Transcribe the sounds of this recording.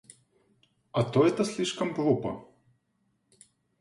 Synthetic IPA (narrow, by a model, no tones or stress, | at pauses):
ɐt̪ɔjɛt̪ɐsʲlʲiʂkɐmpɾupɐ̰